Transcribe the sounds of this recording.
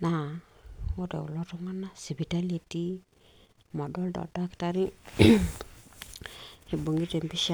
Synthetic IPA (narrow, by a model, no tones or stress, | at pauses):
na | odḛulɔtɔŋanasibitaleti | mɔdɔldɔ̰daktaɾi | eboŋɡitembiʃa